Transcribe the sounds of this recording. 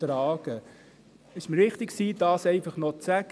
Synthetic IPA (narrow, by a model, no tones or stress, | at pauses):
tɾɑːɡ̥ə | ɪʃməɾʋɪχtɪksiːd̥ɑːsɛɪfɑχnɔt͡sæɡ̥